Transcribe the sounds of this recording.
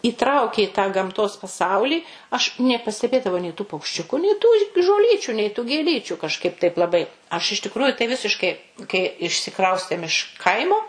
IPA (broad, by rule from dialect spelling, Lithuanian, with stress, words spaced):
iːˈtrɐʊkʲeː ɪ tɑː ɡɐmˈtoːs pɐˈsɐʊlʲiː ɐʃ nʲɛpɐsʲtʲɛˈbʲeːdɐʋɐʊ nʲɛɪ tuː pɐʊkʃʲˈt͡ʃʲʊkʊ nʲɛɪ tuː ʒoːˈlʲiːt͡ʃʲuː nʲɛɪ tuː ɡʲeːˈlʲiːt͡ʃʲuː kɐʃˈkɐɪp tɐɪp lˠɐˈbɐɪ ɐʃ ɪʃ tʲɪkˈrʊjʊ tɐɪ ˈʋʲɪsʲɪʃkɐɪ kɐɪ ɪʃʲsʲɪˈkrɐʊsʲtʲeːm ɪʃ ˈkɐɪmoː